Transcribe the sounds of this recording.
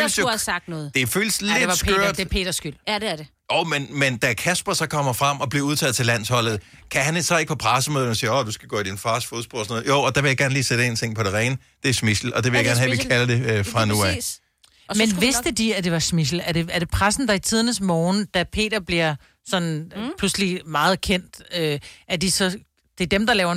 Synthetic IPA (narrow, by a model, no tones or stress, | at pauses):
følsosɑɡ̥̚d̥nɔːð̩ˠd̥e̝føːləsledsʰøɐɐd̥pʰe̝̰ːd̥ɐsɡ̥yl̰deɐde | oʊmenmend̥ækʰæsb̥ɐsɒ̽kʰɒ̽m̰ɐfʁɑm̰ɒ̽b̥liɐuð̞ˠt͡sʰɛðˠt͡sʰe̝læn̰shɒ̽l̰ð̩ˠ | kʰæhænesɒ̽e̝ɡ̥əpʰɒ̽pʰʁasəmøːðˠnɒsiːɐɒd̥usɡ̥æɡ̥ɔ̰ːid̥infɑ̈ːsfoðˠsb̥oɒsnɔ̽ðˠjoʊɒd̥æʋe̝jäɡ̥æɐnliːsed̥əe̝ːnt͡sʰe̝ŋ̰pʰɒ̽ɾ̥e̝ʁɛːnə | d̥e̝ɐsmisl̩ɒ̽d̥e̝ʋe̝jaɡæɐnɦæʋikʰælɐd̥e̝øfʁɑ̈nuæ | menʋessd̥əd̥iæd̥e̝ʋɑ̈smis̬l̩æɐɾ̥e̝æɐɾ̥e̝pʰʁasn̩d̥ɑ̈it͡sʰið̞ˠɐnəsmɒːnd̥æpʰe̝̰ːd̥ɐb̥liɐ | sɒ̽npʰluslimɑ̈ːð̞̩ˠkʰen̰d̥øʔæɐd̥isɒ̽ | d̥e̝d̥emd̥ɑlɛːʊɐ